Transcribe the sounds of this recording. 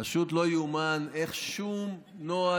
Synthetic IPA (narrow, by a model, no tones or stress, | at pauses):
aʃut̪lo̞jumane̞χʃum | noa